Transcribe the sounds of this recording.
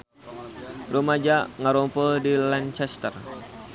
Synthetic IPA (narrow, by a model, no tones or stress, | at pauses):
romad͡ʒaʔŋaɾɔmpədilant͡ʃɛst̪ə̰r